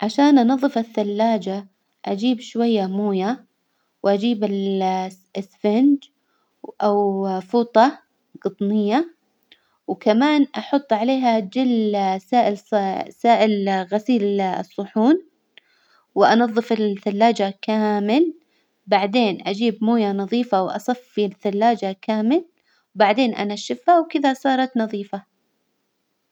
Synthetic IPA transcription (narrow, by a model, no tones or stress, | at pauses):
ʕaʃaːnʔɑnɑðˤːɨfaθːalːaːd͡ʒa | ʔad͡ʒiːbʃwajːamuːja | wʔad͡ʒiːbɪl | sfɪnd͡ʒ | ʔawfuːt̪ˤɑ | ɡɨt̪ˤnɪjːa | wkamaːnʔɑħʊt̪ˤːʕaleːɦad͡ʒɪlsaːʔɪlsaːʔɪlɣasiːl̰sˤːʊħuːn | wʔɑnɑðˤːɨfɪlθalːaːd͡ʒakaːmɪl | baʕd̪eːnʔad͡ʒiːbmuːjanɑðˤiːfawʔɑ̰sˤɑfːiθalːaːd͡ʒakaːmɪl | wbaʕd̪eːnʔa̰naʃɪfhawkɪðasˤɑːɾˤɑt̪nɑðˤiːfa